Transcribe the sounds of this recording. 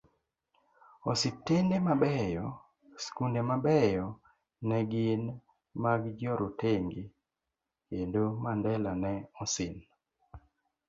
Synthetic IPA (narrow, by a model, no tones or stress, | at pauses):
ɔsɪtendemabɛjɔ | skundemabɛjɔ | nɛɡɪn | maɡd͡ʒɔɾoteŋɡi | kendomandɛlanɛɔsɪn